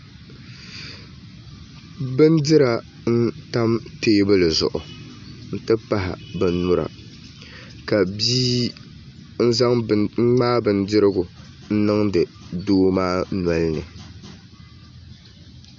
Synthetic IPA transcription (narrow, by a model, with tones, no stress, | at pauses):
bɨ˦n˦dɪ˦ɾa˨ | n̩˦ta˦mteː˦bɨ˦lɨ˨zʊ̰˨ʔʊ˨n̩˦tɨ˦pa˦ɦa̰˨bɨ˨nʊ˦ɾa̰˨ | ka˨biː˦ | n̩˦za˦ŋ̩˦ŋ͡maː˦bɨ˨n˦dɪ˦ɾɨ˦ɡʊ˨ | n̩˦nɨ˦ŋdɨ˨ | doː˦maː˦na˨lnɨ̰˨